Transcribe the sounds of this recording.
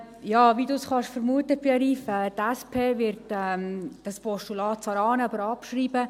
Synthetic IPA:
jɑːʋidusχɑʃfəɾmuətəb̥eɾiːfɛːtæspʰeːʋɪɾtɛmd̥ɑspɔʃtulɑːt̚t͡sɑːɾɑːnəɑbəɾɑpʃriːbə

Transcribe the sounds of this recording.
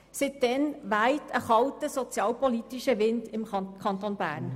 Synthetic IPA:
sɪt̚d̥ɛnʋæɪtʰəχɑltəsɔt͡sjɑːlpɔliːtiʃəʋɪndɪmkʰɑnt̪oːnb̥æ̰ːɾn

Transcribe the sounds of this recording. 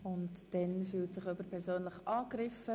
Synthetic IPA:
ʊntd̥ɛnfyːltsɪχøbəɾpʰɛɾsoːnlɪχʔɑːɡrɪfə

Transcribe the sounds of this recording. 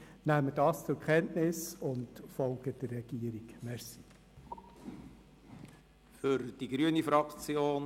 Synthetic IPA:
næmədɑːst͡sʊɾkχɛntnɪsʊntfɔlˠɡ̥əd̥ərːɛɡ̥iːəɾikmɛɾsi̥ | fʏɾd̥iɡɾyənifɾɑkt͡sjoːn

